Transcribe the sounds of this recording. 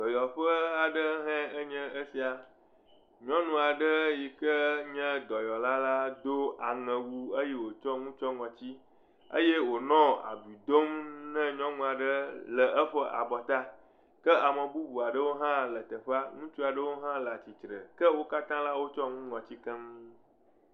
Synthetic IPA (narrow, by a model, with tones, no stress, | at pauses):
d̪̥ɔ˨jɔ˨ɸə˦a˨ɖə˦ɦɛ̃˦ə˦ɲɛ̃˦ə˦si˨a˨ | ɲɔ̃˦nũ˦a˨ɖə˦ji˨kə˦ɲɛ̃˦d̪ɔ˨jɔ˨la˦la˦d̪o˦a˨ŋɛ̃˨wu˦ə˦jɛ˦wo˨t͡ʃɔ˦ŋũ˦t͡ʃɔ˦ŋɔ̃˨t͡ɕi˦ | ə̰˦je˦wo˨nɔ̃˦a̰˨bi˨d̪o˦mnɛ̃˦ɲɔ̃˦nũ˦a˨ɖə˦lə˨ʔə˦ɸə˦ʔa̰˨bɔ˨t̪a˦ | kə˦a˨mə̃˨bu˦bu˨a˨ɖə˦wo˦ɦã˦lə˨t̪ə˨ɸa˦ŋũ˦t͡ʃu˦a˨ɖə˦wo˦ɦã˦la˨t͡ɕi˨t̪ɾə̰˨kə˦wo˦ka˦t̪ã˦la˦wo˦t͡ʃɔ˦ŋũ˦ŋɔ̃˨t͡ɕi˦kɛ̃˦ŋ˦